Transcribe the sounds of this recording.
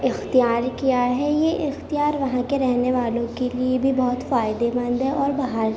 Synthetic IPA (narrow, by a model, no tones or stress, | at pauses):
ɪxt̪ijaːɾkijaɦɛjeʔɪxt̪ijaːɾʋɐɦãkeɾɛɦneʋaːlõkeliebʱibɔːʊt̪faːɪd̪ebɐ̃nd̪ɦɛɔːɾbɐɦaɾ